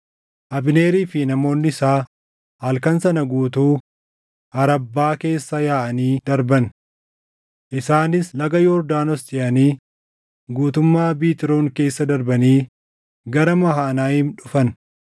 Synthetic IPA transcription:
ʔɐbɪneːɾiːfɪnɐmo̞ːnːɪɪsaː | hɐlkɐnsɐnɐɡuːt̪uː | ɐɾɐbːaːke̞ːsːɐjaːʔɐniːd̪ɐɾbɐn | ʔɪsaːnɪslɐɡɐjɔɾd̪aːnɔsd͡ʒɪʔɐniː | ɡuːt̪ʊmːaːbiːt̪ɪɾoːŋke̞ːsːɐd̪ɐɾbɐniː | ɡɐɾɐmɐɦaːnaːjɪnᶑʊfɐn

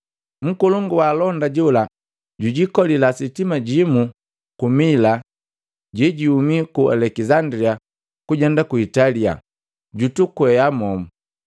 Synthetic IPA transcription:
m̩kuluŋɡuwalɔndaɟula | ɟuɟikɔlilasitimaɟimu | kumila | ɟɛɟiumikua̰lɛkizandɾia | kuɟɛndakuitalia̰ | ɟutukwɛjamɔmu

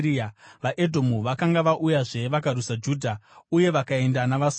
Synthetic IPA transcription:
iaʋaʔe̞dʱo̞muʋakaŋɡaʋaʔujaʐe̞ʋakaɾusad͡ʒuːdʱauje̞ʋakae̞ndanaʋas

